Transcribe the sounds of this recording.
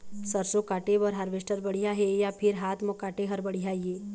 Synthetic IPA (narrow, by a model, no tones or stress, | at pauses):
sɐɾsõkaːʈebɐɾɦɐɾʋeʃʈəɾbɐɽijaɦejapʰɪɾɦaːt̪ʰmokaːʈeɦɐɾbɐɽijaieː